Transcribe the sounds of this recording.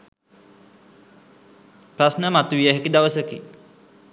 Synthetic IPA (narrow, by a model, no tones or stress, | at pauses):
prasnəmat̪uʋijəɦekid̪aʋəsəkḭ